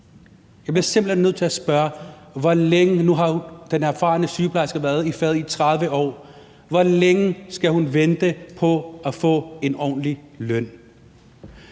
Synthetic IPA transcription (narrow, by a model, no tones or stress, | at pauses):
jɑɪb̥leɐse̝mb̥l̩henːøð̰ˠt͡sʰe̝æsb̥ɶɐ | ʋɒleŋənuɦɑ̈d̥enæɐfɑ̈ːnəsyːpʰlɑ̈ɪsɡ̥əʋæɐðˠifɛːð̞̩ˠit͡sʰʁaðˠʋəʔɒ̰ː | ʋɒleŋəsɡ̥æhunʋend̥əpʰɒ̽æfɔ̰̽ːe̝nɒ̰ːnlilœn̰